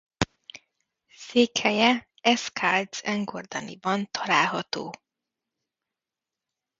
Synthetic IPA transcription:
seːkhɛjɛ | ɛskʰald̪sɛŋɡord̪ɒnḭbɒnt̪ʰɒlaːlɦɒt̪o̰ː

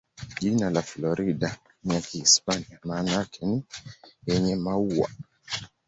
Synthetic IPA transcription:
ʄinalaflɔɾiɗa | niakihispaniamaːnakʰɛnijɛɲɛmauwa̰

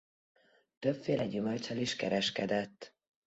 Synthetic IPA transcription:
t̪øpfeːlɛɟymølt̪t͡ʃɒliʃkɛɾɛʃkɛd̪ɛt̪ː

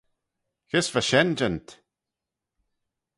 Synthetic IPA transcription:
xɪsvaʃɛnd͡ʒənt̪

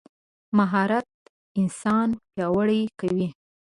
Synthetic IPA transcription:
maɦɑɾat̪̚ | ɪnsɑnpjɑwaɽajkawi

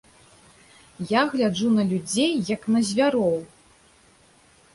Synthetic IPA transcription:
jaɣlʲad͡ʐunɐlʲud͡zʲejːɐknɐzʲvʲaɾɔw

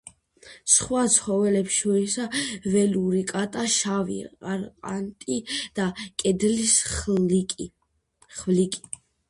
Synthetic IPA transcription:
sχwat̪sʰχɔvɛlɛpʃɔɾɛsavɛluɾikʼat̪ʼaʃavḭqaɾqʼant̪ʼid̪̥akʼɛd̪lisʼ | χvlikʼi̥

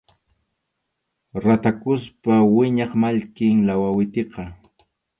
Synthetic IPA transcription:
ɾat̪akʊspawɪɲɑχmaʎkɪŋlawawɪt̪eqɑ

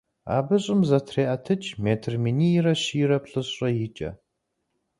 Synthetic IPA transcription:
a̰ːbɨɕʼɪmzɐtʰreːʔɐtʰɨt͡ʃʰʼmeːtʰɨrminiːjɪrɐɕiːrɐpɬʼɨɕʼɐjɪt͡ʃʼɐ̰

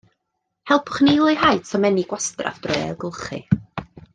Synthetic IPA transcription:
hɛlˠpʰʊ̥χnejlˠɪjhajtʰɔmɛniɡ̥wastra̰fd̥rɔa̰lˠɡʊlˠχɨ̰

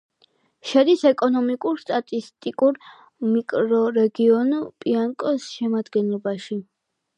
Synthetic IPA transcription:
ʃɛd̪isɛkʼɔnɔmikʼuɾst̪ʼat̪ʼist̪ʼikʼuɾ | mikʼɾɔɾɛɡiɔnupʼiankʼɔsʃɛmad̪ɡɛnlˠɔbaʃi

